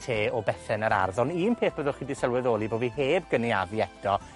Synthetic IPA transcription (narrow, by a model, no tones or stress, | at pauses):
tʰeːɔbɛθɛnəɾa̰rðɔniːnpʰeːθb̥əðʊχidɪsəlˠwɪðoːlˠiboːviɦeːbɡəniavjɛd̥ɔ